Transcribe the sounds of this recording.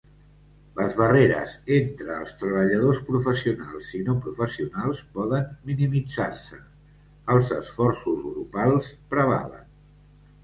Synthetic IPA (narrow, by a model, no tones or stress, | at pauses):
ləzβəreɾə̰zent̪ɾəːlˠst̪ɾəβ̞əʎəðospɾufəsiunalˠzinopɾufəsiunalˠspɔðənminimid͡zarsə | əlˠzəsfɔrsuzɣɾupalˠspɾəβ̞a̰lə̰n